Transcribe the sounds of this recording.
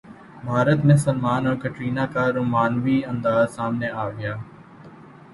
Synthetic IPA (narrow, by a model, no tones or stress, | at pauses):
bʱaːɾət̪mẽsəlmaːnɔ̃ːkəʈɾiːnakaɾʊmaːnʋiːɐ̃nd̪aːzsaːmneaːʋɪjaː